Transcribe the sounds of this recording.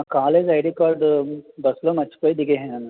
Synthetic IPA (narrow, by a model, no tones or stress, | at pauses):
kaːleːd͡ʒaːɪɾekɔːɾɖbɐslomɐt͡ʃʰpəid̪ɪɡeɦɛ̃ɐn